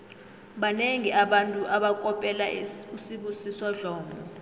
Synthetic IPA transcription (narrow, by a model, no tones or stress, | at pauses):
ɓaneŋiaɓantʼuʔaɓakʼɔpʼɛlausiɓusisɔɮɔːmbʱɔ